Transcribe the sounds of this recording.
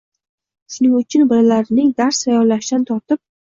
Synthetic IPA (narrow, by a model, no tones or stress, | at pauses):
ʃʊnɪŋʊt͡ʃʰɪnbɪɾlaɾɪnɪŋd̪aɾsajɒɾlaʃɪd̪ant̪ʰɒɾt̪ɪp̚